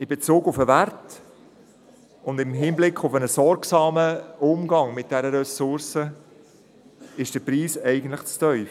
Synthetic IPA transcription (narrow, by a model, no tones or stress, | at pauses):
ɪbet͡suːɡʊfəvæɾt | ʊndɪmɦɪnblɪkχʊfənəsɔɾksɑːməʊmɡɑŋmɪt̚d̥ɛɾəɾɛsʊɾsə | ɪʃd̥əpɾiːsɛɪɡəntləχt͡stœʏf